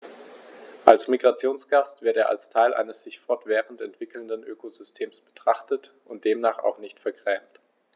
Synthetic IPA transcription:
ʔalsmiɡʁat͡sjoːnsɡ̥astv̥ɪɐteːɐʔa̰lstʰaɪlʔa̰ɪnəsz̥ɪçfɔɐtv̥ɛːʁəntɛntv̥ɪkl̩ndənʔøːkozʏstʰeːmsb̥ə̥tʁ̥aχtət | ʔʊnt̚d̥eːmnaːχa̰ʊxnɪçtfɛɐɡʁɛːmt

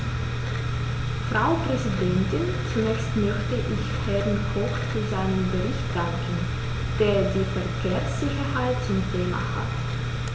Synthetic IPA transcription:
fʁ̥aʊpʁ̥ɛzidɛntɪn | t͡sunɛːçstmœçtəʔɪçhɛʁən̩kʰɔxt͡suzaɪnəmbəʁɪçt̚d̥aŋkn̩ | d̥eːɐdiːfɛɐkʰeːɐsz̥ɪçɐhaɪt̚t͡sʊmtʰeːma̰ha̰t

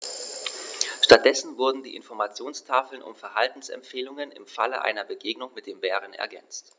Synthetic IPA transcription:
ʃtat̚d̥ɛsn̩vʊɐdn̩diːʔɪnfɔɐmat͡sjoːnstʰaːfl̩nʔʊ̰mfɛɐhaltn̩sɛ̰mpfeːlʊŋənɪ̰mfalə̰ʔa̰ɪnɐbəɡeːɡnʊŋmɪt̚d̥eːmbɛːʁ̞ənɛ̰ɐɡɛnt͡st

